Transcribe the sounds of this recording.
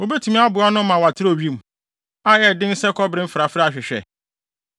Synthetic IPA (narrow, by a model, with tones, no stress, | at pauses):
o˨be˦tʰu˨mĩ˦a˦bʊ˨˦a˦nʊ̃˦mã˨wa˨tʰɪ˦ɾo˦˨ɥi˦˨m̩˨ | a˦jɛ˨dɪ̃˦n̩˦sɛ˦kʰɔ˦bɾɪ̃˦m̩˦fa˨fɾa˦a˨ɕᶣɪ˨ɕᶣɛ̰˨